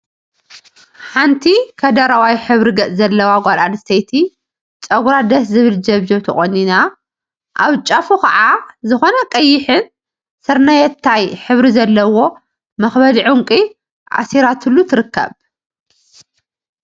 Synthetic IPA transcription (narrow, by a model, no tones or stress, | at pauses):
ħant̪ʰikʰɐd̪ɐɾawajħɨβɾiɡɐt͡sʼzɐlːɐwaɡʷalanɨst̪ʰɐjt̪ʰi | t͡ʃʼɐɡuɾad̪ɐszɨβɨld͡ʒɐβd͡ʒɐβt̪ʰɐχʼonːina | ʔaβt͡ʃʼɐfukʰɐʕazɨxo̞nɐkʼɐjːɪħɨn | sɨɾnɐjɛt̪ʰːajħɨβɾizɐlːɐwo̞ | mɐxbɐd̪iʕuŋkʼi | ʔa̰siɾat̪ʰɨlːut̪ʰɨɾɨkʰːɐ̰β